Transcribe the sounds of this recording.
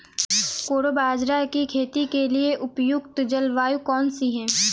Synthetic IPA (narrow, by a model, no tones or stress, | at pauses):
koːɾobaːd͡ʒɾakikʰeːt̪ikelieʔʊpjʊɡt̪d͡ʒɐlʋaːjukɔːnsiɦɛ̃ː